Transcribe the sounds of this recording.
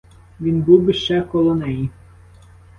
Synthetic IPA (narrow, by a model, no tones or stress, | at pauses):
ʋʲinbuwbɪʃt͡ʃɛkɔlˠɔnɛji